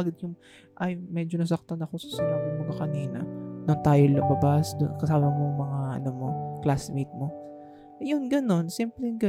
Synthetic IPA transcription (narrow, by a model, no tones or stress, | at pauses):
ɡɐd̪̚jʊŋ | ʔɐjmɛd͡ʒonɐs̬ɐk̚t̪ɐnɐko̞sɐ̥sɪnaːbɪŋmɐɡakɐniːnɐ̰nʊnt̪aːjolɐbɐbasd̪ʊ̰kɐsaːmɐmoŋmɐŋaʔɐ̰nomo̞klasmit̪̚mo̞ | jʊnɡɐno̞nsimplɛŋɡɐ